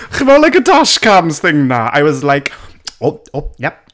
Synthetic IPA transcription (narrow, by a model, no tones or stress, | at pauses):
χivɛlajkədaʃkʰamz̥θɪŋnaa̰jwɔzlajkoojɛp̚